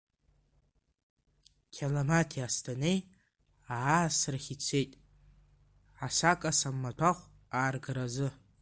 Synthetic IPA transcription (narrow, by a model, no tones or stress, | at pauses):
kʲʰalamatʰiastʰanej | aaːsraχʲit͡sʷʰe̞jtʼ | ʕasakʼasamːatʰaχʷ | aːrɡɨɾazɨ